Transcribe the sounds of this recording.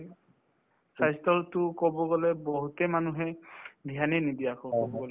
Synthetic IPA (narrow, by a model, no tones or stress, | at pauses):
sʰajstɔltʊkɔbɔɡɔlɛbɔɦutɛmanuɦɛdʱiɦaninidijakʰɔkɔbɔɡɔlɛ